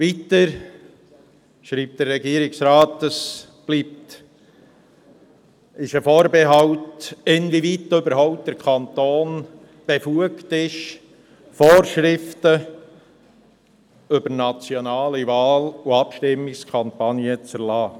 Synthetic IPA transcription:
vitəɾ | ʃɾiːp̚t̚d̥ərːɛɡiəɾɪksɾaːtəs | b̥liːp̚t | ɪʃəfoːɾbɛɦɑʊtɪnvivitːøbəɾɦɔʊp̚td̥əɾkʰɑnt̪oːn | b̥efuəktɪʃ | foːɾʃɾɪftə | ʏbəɾnɑt͡sjonɑːlivɑːluɑpʃtɪmːɪkskʰɑmpɑnjət͡səɾlɑː

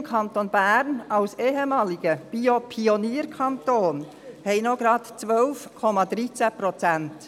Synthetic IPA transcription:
mkʰɑnt̪onb̥æːɾnɑʊseːɦɛmɑːliɡ̥əb̥iopʰioniːəɾkʰɑntoːn | hɛɪnoɡɾɑt̪t͡sʋœlfkʰɔmɑd̥̪ɾit͡sɛpɾɔt͡sænt

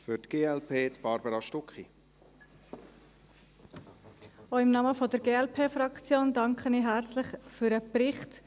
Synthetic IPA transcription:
fyɾtɡ̥eːɛlpʰeːt̪b̥ɑɾbəɾɑʃtʊkχḭ | oɪmnɑːməfɔdəɾɡeːɛlpʰeːfɾɑkt͡sjoːndɑŋkχəniɦæɾt͡slɪχfyɾəbrɪχt

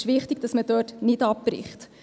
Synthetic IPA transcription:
ʃʋɪχtiɡ̥̚d̥ɑsmədøːtnɪdɑp̚prɪ̰χt

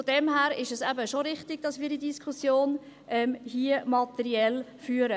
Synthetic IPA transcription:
fod̥ɛmɦæːɾɪʃɛsæbəʃoɾɪχtɪɡ̥d̥ɑsmiːɾdidiskʰusjoːn | ʔɛmhiəmɑt̪ɛɾiɛlfyːəɾə

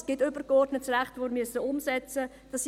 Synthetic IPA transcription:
sɡ̥ɪtʏbəɾɡɔrdnətsræχtʋoɪɾmyəsːəʊmsɛt͡sə | d̥ɑs

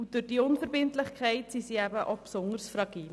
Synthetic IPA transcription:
ʊd̥ʊɾd̥iʊnfəɾbɪntlɪχkʰɛɪtsisiæbəʔopsʊŋəɾsfɾɑɡ̥iːl

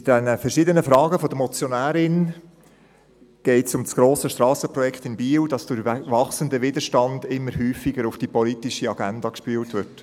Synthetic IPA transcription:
d̥ɛnəfəɾʃɪd̪ənəfɾɑːɡəfɔd̥̪əmɔt͡sjɔnæːɾɪn | ɡ̥ɛɪtsʊmsɡ̥ɾoːsəʃtɾɑːsəpɾɔjɛkχt̪ɪnbiːwd̥ɑsd̥ʊɾʋɑχsəndəʋɪd̪əɾʃtɑndɪmːəɾhyːfɪɡəɾʊfd̥ipɔlitɪʃiɑɡ̥ændɑkʃpyːltʋɪɾt

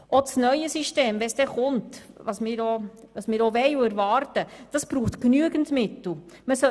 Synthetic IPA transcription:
osnœjəsiʃteːmvɛsd̥ɛχʊnt | ʋɑsmɪːɾo | ʋɑsmɪːɾoʋɛɪʊæɾvɑːɾtəd̥ɑsb̥ɾuːχtknyəɡən̩tmɪtl̩ˠ | məsœ

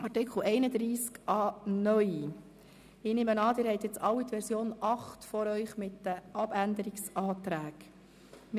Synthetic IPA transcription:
ɑrtɪkχl̩ɛɪnəd̪ɾiːskʔɑːnœʏ | ɪːnɪmənɑːd̪ɪːɾhɛɪt̪jɛt͡sɑwːit̪ʋɛɾsjoːnʔɑχtfɔɾœʏχmɪtd̥əʔɑbænd̪əɾɪksʔɑːt̪ɾæːɡ | m

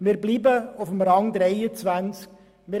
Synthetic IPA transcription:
miːɾbliːbəʊfəmɾɑŋd̪ɾɛɪət͡svænt͡sk̚ | mɪ

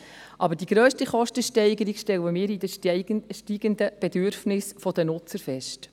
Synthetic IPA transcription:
ʔɑbəɾdiɡ̥ɾøːʃtiχɔʃtəʃtɛɪɡəɾiɡ̥ʃtɛwəmɪːɾid̪əʃtiːɡənd̪əb̥ɛd̪ʏɾfnɪsfɔd̪ənʊt͡səɾfɛʃt

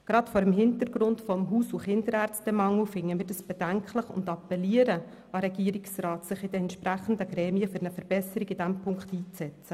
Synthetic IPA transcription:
ɡ̥ɾɑtfɔɾəmɦɪntəɾɡɾʊntfɔmɦuːsuχɪnd̥əɾɛɾt͡sd̥ɛmɑŋufɪŋːəmɪːɾdɑsb̥ɛd̥æŋkʰləχʊ̰ndɑpːɛliəɾə | ɑɾɛɡiəɾiksɾɑːtsɪχɪd̥ɛɛnt̪ʃpɾæχn̩dəɡɾɛːmiəfʏɾnəfəɾb̥ɛsəɾiɡɪd̥æmpʰʊŋkχtiːt͡sɛt͡sə

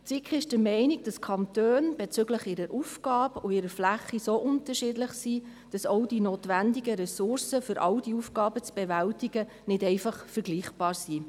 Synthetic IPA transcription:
t͡sikχɪʃd̥əɾmɛɪnɪɡ̚d̥ɑskʰɑntøːnb̥ɛt͡sʏɡləχɪɾəɾʔufɡ̥ɑːbʊɪɾəflæχːisoʔʊntəɾʃɪdləχsiː | d̥ɑsɔʊd̥inoːtʋændiɡəɾɛsʊrsəfʏɾʔɑ̰wdiufɡ̥ɑːbət͡sb̥ɛvæltiɡ̥ə | nɪdɛɪfɑχfəɾɡ̥liːχb̥ɑːɾsiː

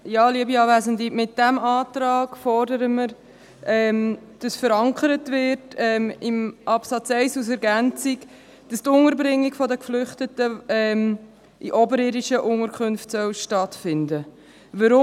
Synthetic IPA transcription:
jɑːliəbiɑːvæzəndimɪt̚d̥æmɑːtɾɑːɡ̥fɔɾdəɾəməɾ | ɛːmd̥ɑsfəɾɑŋkəɾətvɪɾtɛːmɪmʔɑpsɑt͡sɛɪsus̬ɛɾɡænt͡sik | d̥ɑst̪ʊŋəɾbɾɪŋːiɡfɔdəkflʏχtətəɛm | ʔiʔɔbəɾɪɾiʃəʔʊŋəɾkʰχʉnftsœwʃtɑtfɪndə | ʋəɾʊ

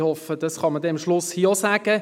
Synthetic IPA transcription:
hɔfəd̥ɑsχɑmədɛnmʃlʊshiːosæːɡ̥ə

